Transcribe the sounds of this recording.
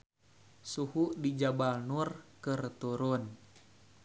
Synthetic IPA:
suhuʔdid͡ʒabalnurkɨrt̪uɾʊn

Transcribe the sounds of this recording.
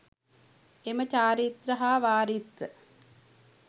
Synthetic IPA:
emət͡ʃaːɾit̪ɾɐɦaːʋaːɾit̪ɾə

